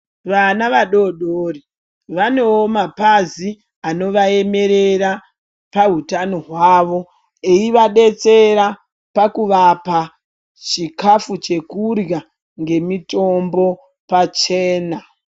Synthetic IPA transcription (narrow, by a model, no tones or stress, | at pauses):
ʋanaʋaɗo̞ɗoːri | ʋano̞ːmapazi | ano̞ʋae̞me̞ɾe̞ɾa | paɦutanoɦwaːʋo̞ | eiʋaɗe̞t͡se̞ɾa | pakuʋapa | t͡ʃikafut͡ʃe̞kurɡa | ŋɡe̞mito̞mbo̞ | pat͡ʃe̞ːna